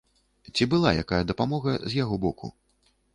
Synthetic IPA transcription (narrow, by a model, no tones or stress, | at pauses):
t͡sʲibɨlˠa̰ja̰kajɐd̪ɐpamɔɣɐzʲjaɣɔbɔkʰṵ